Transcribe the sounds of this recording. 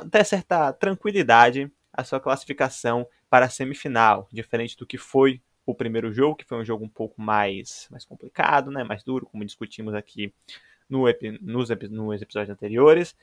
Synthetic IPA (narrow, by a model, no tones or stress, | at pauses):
t̪ɛ̃sɛɾt̪ɐt̪ɾɐ̃kwilid̪ad͡ʒɪ | ɐsuɐklasi̥fikasɐ̃w̃ | paɾɐːsẽmifinawd͡ʒifeɾẽnt͡ʃɪd̪ʊkɪfoj | ʊpɾimejɾʊʒoɡʊkɪ̥fojũʒoɡʊũpowkʊmajsmajskõplika̰d̪ʊnɛmajzd̪uɾʊkõmʊd͡ʒiskut͡ʃĩmʊzakʰi | nʊepinʊzepinʊzepizɔd͡ʒʊzɐ̃nt̪eɾioɾɪs